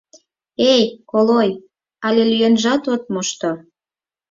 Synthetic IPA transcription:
ejkoloj | ɑlʲelyjenʒɑt̪ot̪̚moʃt̪o

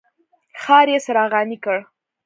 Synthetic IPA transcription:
xɑɾjesaɾɑɣɑnikəɽ

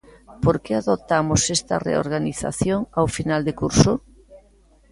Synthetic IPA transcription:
poɾkeaðot̪amʊsest̪ɐ̰rḛo̰ɾɣaniθa̰θjoŋawfinald̪ekuɾsʊ

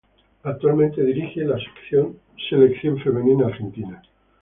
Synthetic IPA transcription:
ak̚t̪ualmẽnt̪eðiɾixelase̥kθjon | se̞lekθjo̞ɱfemẽ̞ninaːɾxent̪ina

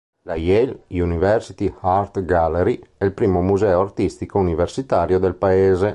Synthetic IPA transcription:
lajɛlunivɛrsit̪ihaɾt̪ɡalːeɾiɛilpɾiːmomuzɛːoart̪ist̪ikouniversit̪aːɾjod̪elpaeːze

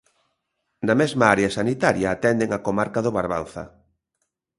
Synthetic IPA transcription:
namezmaaɾeasanit̪aɾjaːt̪ɛnd̪eŋakomaɾkaðoβaɾβa̰n̟θa̰

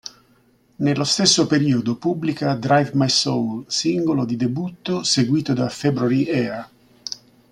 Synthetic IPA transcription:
nelːost̪esːopeɾiːod̪opublikad̪ɾajvmajsowlsiŋɡolod̪id̪ebut̪ːoseɡwiːt̪od̪afebɾaɾiʔɛːɾa

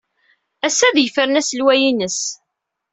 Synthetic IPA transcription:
æsːæðjəfəɾənæsəlwæjinəs

